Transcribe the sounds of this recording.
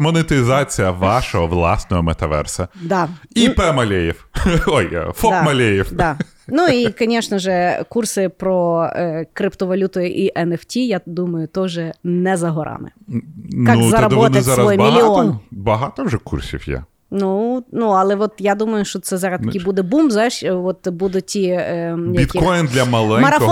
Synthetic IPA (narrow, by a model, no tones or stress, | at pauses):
mɔnet̪ɪzɑt͡sʲijɐʋɑʃɔɦɔʋlˠɑsnɔɦɔmɛt̪ɐʋɛ̰rsɐd̪ɑipɛmɐlʲejiwɔj̰fɔkmɐlʲejiwd̪ɑ | nuikɐnʲɛʃnɐʒɛkursɪpɾɔkɾɪpt̪ɔʋɐlʲut̪ɔjʔiʔɛnɛftʲijad̪umɐjʊt̪ɔʒɛnɛzɐɦɔɾʔɑ̰mɪ̰nkauzɐɾɐd̪ɛbɔnɐzaɾɐɔjɪbmiliɔnbɐɦɑt̪ɔʐɛkṵrsʲḭwjɛ̰ | nunuɐlˠɛʋɔt̪jad̪umɐjʊʃt͡ʃɔt̪sɛzɑɾɐst̪ɐkijbud̪ɛbumbzajʃʋɔt̪bud̪ʊtʲijabʲit̪ikɔjnd̪lʲɐmɐlˠɛmɐɾɐɔ